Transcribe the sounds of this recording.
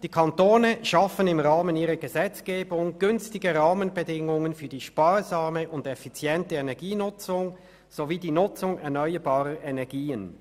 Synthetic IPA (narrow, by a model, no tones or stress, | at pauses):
d̥iːkʰantoːnəʃɑfənɪmʁaːməniːʁəɡəzɛt͡sɡ̥eːbʊŋɡ̥ʏnstɪɡəʁaːmənbədɪŋʊŋənfyːɐdiːʃpaːʁzaːməʔʊndɛfit͡sjɛntəɛnɛɐɡiːnʊt͡sʊŋ | z̥oviːdiːnʊt͡sʊŋɛɐnœʏəbɑːʁəʔɛnɛɐɡiːən